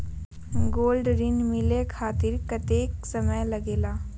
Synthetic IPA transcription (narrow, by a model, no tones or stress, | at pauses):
ɡoːlɖɾɪnmɪlekʰaːt̪ɪɾkɐt̪eːksɐməjlɐɡeːlaː